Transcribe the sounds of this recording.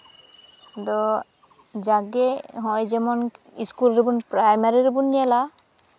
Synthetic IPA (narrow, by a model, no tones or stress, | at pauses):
d̪ɔ | d͡ʒaɡeɦɔ̃jd͡ʒɛmɔn | iskulɾebunpɾajmaɾiɾibunjɛla